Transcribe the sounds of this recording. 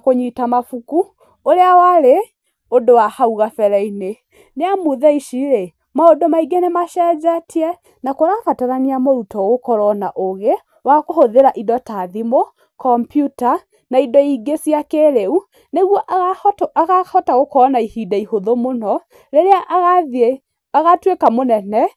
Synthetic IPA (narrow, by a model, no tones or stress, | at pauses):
koɲitamafuku | oɾeawaɾe | odowahauɣafɛɾɛine | neamuðɛiʃiɾe | maodomaiɡenemaʃɛd͡ʒatʰiɛ | nakoɾafataɾaniamoɾutɔɣokɔɾɔnaʔoɣe | wakohoðeɾaʔidɔtaðimo | kɔmpjuta | naidɔiɡesiakeɾeu | neɣwɔʔataɣahɔtaɣokɔnaihidaihoðomonɔ | ɾeɾeaʔaɣaðe | aɣatwekamonɛnɛ